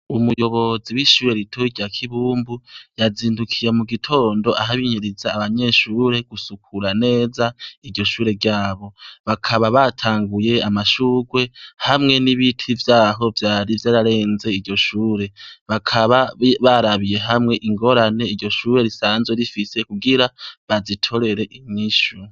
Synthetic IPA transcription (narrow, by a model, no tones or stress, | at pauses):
umujo̞βo̞ziwiʃuːɾe̞ɾitʰoiɟjakʰiβuːmbujaziːndukʰije̞muɡitʰo̞ːndo̞ʔaɦaβiɲiɾizaːβaɲe̞ʃuːɾe̞ɡ̥usukʰuɾane̞ːzaiɾɟo̞ʃuːɾe̞ɡɟaːβo̞βakʰaβaβatʰaːŋɡuje̞amaʃuɡwe̞hamŋe̞niβitʰivjaːɦo̞vjaːɾivjaːɾaɾe̞ːnze̞iɾɟo̞ʃuːɾe̞βakʰaβaβaɾaβije̞ɦamŋe̞ʔiŋɡo̞ɾane̞iɾɟo̞ʃuːɾe̞ɾisaːnzweɾifise̞kuɡiɾaβazitʰo̞ɾe̞ɾe̞ʔiɲiʃu